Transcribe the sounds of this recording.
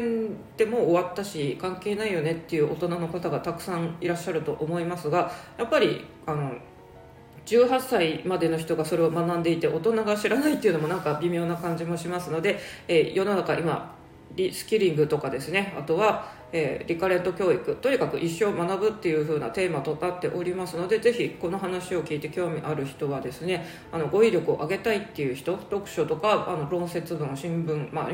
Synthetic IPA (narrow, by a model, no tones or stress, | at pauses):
ẽnt̪e̞mo̞ːβat̪ːaɕikãŋke̞ːnaijo̞ne̞t̪ːe̞jɯ̟ːʔo̞̰t̪o̞nano̞kat̪aɡat̪akɯ̟̥sãŋ̃iɾaɕːaɾɯ̟t̪oʔomo̞imasɨɡajapːaɾʲḭ | ano̞ | d͡ʑɨːɦasːaimad̪e̞no̞çi̥t̪o̞ɡaso̞ɾe̞omanãnd̪e̞it̪e̞ʔo̞t̪o̞naɡaɕiɾanait̪ːe̞iɯ̟nomo̞nãŋkabʲimʲjo̞ːnakãɲ̟d͡ʑimo̞ɕimasɨno̞d̪e̞eːjo̞nonakaʔima̰ | ɾʲisɨ̥kʲiɾʲĩŋɡɯ̟t̪o̞kad̪e̞sɨne̞a̰t̪o̞βa | eːɾʲikaɾe̞t̪ːo̞kʲo̞ːikɯ̟t̪o̞ɲ̟ikakɯ̟ʔiɕːo̞ːmanabɯ̟t̪ːe̞jɯ̟ɸɯ̟ːna̰t̪e̞ːmat̪o̞nat̪ːe̞ʔo̞ɾʲimasɨno̞d̪e̞ze̞çiko̞no̞ɦanaɕio̞kʲiːt̪e̞kʲo̞ːmʲiʔaɾɯ̟çi̥t̪o̞β̞ad̪e̞sɨne̞ | ano̞ɡo̞iɾʲjo̞kɯo̞̰ʔaɡe̞t̪ait̪ːe̞jɯ̟çi̥t̪o̞t̪o̞kɯ̟̥ɕo̞t̪o̞kaanobɯɾõ̞ɰ̃se̞t͡sɨbɯ̟̃ɕĩmbɯ̟̃ŋma